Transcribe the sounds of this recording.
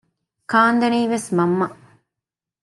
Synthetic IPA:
kaːnd̪ɐniːʋesmɐmːɐ

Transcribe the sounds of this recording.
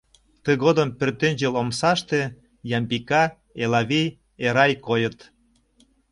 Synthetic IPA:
t̪əɣod̪ə̆mpørt̪enʲd͡ʑelomsɑʃt̪ĕ | jɑmbikɑ | elɑβij | eɾɑjkojət̪

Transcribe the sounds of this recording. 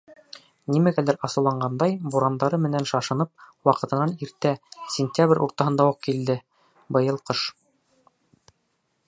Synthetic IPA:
nimæɡælæɾɑsɤ̆wlˠɑɴɢɑnd̪ɑjbuɾɑnd̪ɑɾɤmɘ̆nænʃɑʃɤ̆nɤp̚wɑqɤ̆t̪ɤ̆nɑniɾt̪æsʲɪnʲt̪ʲabrʲʔṵɾt̪ɑɦɤ̆nd̪ɑwuq̚kild̪ɘ | bɤ̆jɤlˠqɤʃ

